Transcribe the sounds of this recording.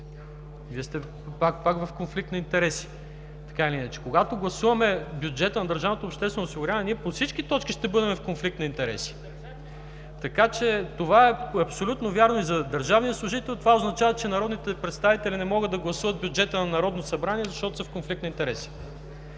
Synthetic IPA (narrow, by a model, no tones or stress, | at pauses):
viəst̪ɛ | pak̚pakvɐfkonflik̚t̪nɐint̪ɛɾɛsi̥ | t̪ɐ̥kailiinɐt͡ʃɛ̥koɡat̪oɡlˠɐsuvɐmɛbjud͡ʒɛt̪ənɐd̪ɐɾʒavnot̪oːpʃt̪ɛst̪vɛnoːsiɡʊɾʲanɛniɛposit͡ʃkit̪ɔt͡ʃkiʃt̪ɛbɤd̪ɛmɛfkonflik̚t̪nɐint̪ɛɾɛ̰si̥ | t̪ɐkat͡ʃɛt̪ovaɛɐpsolʲut̪novʲjaɾnoizɐd̪əɾʒavnijəslˠʊʒit̪ɛlʲˠt̪ovaoznɐt͡ʃavɐt͡ʃɛnɐɾɔd̪nit̪ɛpɾɛt̪st̪avit̪ɛlʲinɛmɔɡəd̪ːɐɡlˠɐsuvɐt̪̚bʲjʊd͡ʒɛt̪ənɐnɐɾɔd̪nosɐbɾaniɛzɐʃt̪ɔt̪osɐfkonflik̚t̪nɐint̪ɛɾɛsi̥